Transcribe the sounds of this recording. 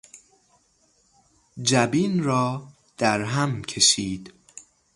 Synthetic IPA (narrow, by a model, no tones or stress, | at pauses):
d͡ʒæbiːnɾɒː | d̪̥æɾɦæmcʰe̞ʃiːd̪̥